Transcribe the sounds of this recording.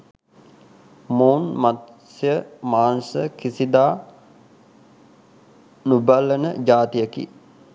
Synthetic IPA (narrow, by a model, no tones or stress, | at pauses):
moːnmat̪ | sjəmaːnsəkisid̪aː | nubəlːənəd͡ʒaːt̪ijəkḭ